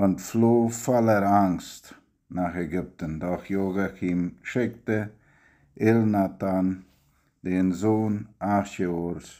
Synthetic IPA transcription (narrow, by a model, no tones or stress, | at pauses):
ʊnt̪fluːfalɛɾaŋst̪ | naxeɡɪp̚t̪ənd̪ɔxjoːɡakʰimʃɪk̚t̪ə | ɪlnat̪an | d̪enzuːnaʃeoɾs